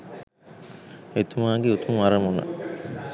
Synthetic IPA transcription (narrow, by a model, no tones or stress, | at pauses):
et̪umaːɡeut̪umʋaɾəmunɐ̰